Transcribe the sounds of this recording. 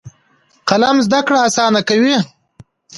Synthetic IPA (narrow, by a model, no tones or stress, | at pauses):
qalamzd̪akɽaasɑːnakawi